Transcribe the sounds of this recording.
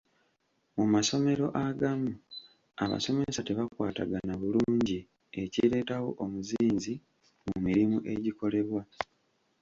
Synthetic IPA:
mumaso̞me̞ɾo̞ʔaɡamu | a̰βa̰so̞me̞sate̞βakwaːta̰ɡanaβuluːɲɟi | e̞ciɾe̞ːtawo̞̰ʔomuziːnzi | mumiɾimuʔe̞ɟiko̞le̞βwa

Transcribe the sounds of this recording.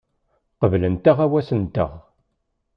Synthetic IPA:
qəvlənt̪əʁæwæsənt̪ə̰ʁ

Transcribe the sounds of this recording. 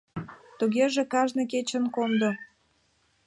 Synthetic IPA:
t̪uɣeʒekɑʒnɤ̆k̬et͡ɕə̆nkond̪o

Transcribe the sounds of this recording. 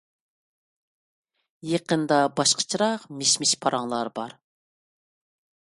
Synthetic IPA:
jeqənd̪ɑbɑʃqʰə̥t͡ʃʰiɾɑqmeʃmɪʃpʰɑɾʔɑŋlˠɑɾbɑ̰ɾ

